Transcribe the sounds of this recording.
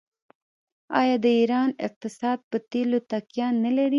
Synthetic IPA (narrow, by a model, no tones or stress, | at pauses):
ɑ̰jɑd̪əiɾɑnɪ̰q̚t̪ɪsɑd̪̚pət̪elot̪akjɑnːalaɾi